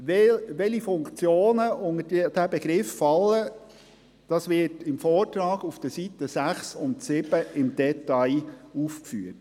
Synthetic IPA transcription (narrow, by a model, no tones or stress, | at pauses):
ʋɛʋɛlifʊŋkt͡sjoːnəʔʊŋədd̥æbɛɡɾɪffɑlːə | d̥ɑsʋɪtɪmfɔːrtɾɑːɡ̥ufd̥əsit̪əsæχsʊntsɪb̥əɪmd̥ɛtɑɪuːfkfyːət